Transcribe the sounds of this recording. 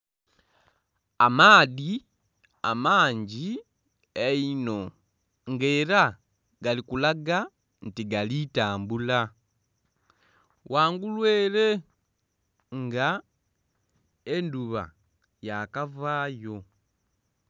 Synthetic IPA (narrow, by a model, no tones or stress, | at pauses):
amaːði | a̰maːɲɟi | eino̞ | ŋɡeːɾa | ɡalikulaɡa | ntiɡalitaːmbula | wʔaːŋɡulweːle̞ | ŋɡa | enduβa̰ | jakavaːjo̞